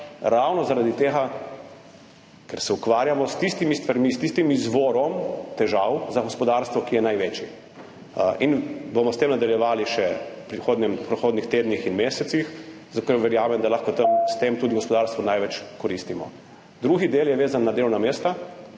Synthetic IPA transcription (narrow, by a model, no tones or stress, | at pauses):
ɾawnɔzaɾad̪it̪eːɣa | kɛɾsɛukʋaːɾjamɔst̪ist̪imist̪ʋaɾmist̪ist̪imizʋoːɾɔmt̪ɛʒawzaɡɔspɔd̪aɾst̪ʋɔkijɛnajʋet͡ʃi | inbomɔst̪eːmnad̪aljɛʋaːliʃɛpɾixoːd̪nɛmpɾɛxoːd̪nixt̪eːd̪nixinmeːsɛt̪six | zakoɾʋɛɾjaːmɛmd̪alaxkɔt̪əmst̪emt̪uːd̪iɡɔspɔd̪aːɾst̪ʋɔnajʋɛt͡ʃkɔɾist̪imɔ̰ | d̪ɾuːɣid̪eːljɛʋeːzanːad̪elwnameːst̪a